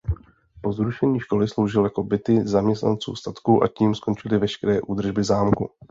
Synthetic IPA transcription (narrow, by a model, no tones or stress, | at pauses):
po̞zɾuʃɛɲiːʃko̞lɪslo̞wʒɪljako̞bɪt̪ɪzamɲɛst̪na̰nt͡sṵːst̪at̪kuːʔa̰ciːmsko̞nt͡ʃɪlɪvɛʃkɛɾɛːʔuːd̪r̩ʒbɪzaːmkṵ